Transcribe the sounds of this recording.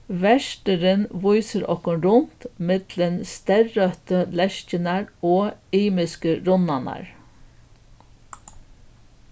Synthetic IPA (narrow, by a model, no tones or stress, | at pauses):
ʋæʃʈəɾənʋʊʏsəɾʔɔ̰kɔnɾʊnt̪mɪd̪̥lənst̪æɾːœt̪əlɛʃcənæɾoːiːmɪskəɾʊnɑnɑ̰ɹ